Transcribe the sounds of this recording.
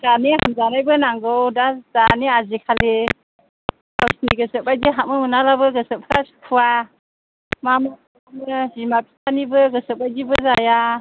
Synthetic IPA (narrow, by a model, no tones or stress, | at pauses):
kaniɦa̰mzanajbɯnaŋɡɯwdaz̥aniazikʰali | awsniɡɯsɯpajdiɦak̚mɯmunalabɯɡɯsɯp̚ʰaskʰua | mamɯ | amɯzimapʰi̥tʰanibɯɡɯsɯp̚ajdibɯzaja